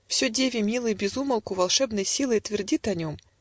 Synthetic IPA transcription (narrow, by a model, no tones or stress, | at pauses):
fsʲɵdʲevʲɪmʲilˠɨjbʲɪzuməlˠkʊvalˠʂɛbnəjsʲilˠɨit̪vʲɪrdʲit̪ɐnʲom